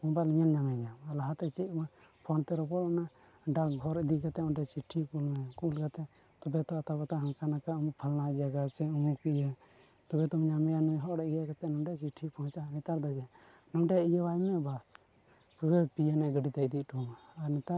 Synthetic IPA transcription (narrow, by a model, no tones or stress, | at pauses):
ɔ̃baliɲalɲamɛɡamlaɦat̪ɛt͡ʃima | pʰɔnt̪ɛɾɔpɔlana | ɖakɡʱɔɾid̪ikat̪ɛɔ̃ɖɛt͡ʃiʈʰːikulmɛkulkat̪ɛ | t̪ɔbɛt̪ɔat̪abat̪aɦãŋkanakaumupʰəlnad͡ʒaɡat͡ʃɛumukijə | t̪ɔbɛt̪ɔmɲamɛjanujɦɔʔɽɛijakat̪ɛnɔmɖɛt͡ʃiʈʰipʰɔɦɔ̃t͡ʃanit̪aɾd̪ad͡ʒɛ | nɔmɖɛijəwajmɛbas | puɡəpijanɛɡəɖit̪ad̪iʈumaaɾnit̪aɾ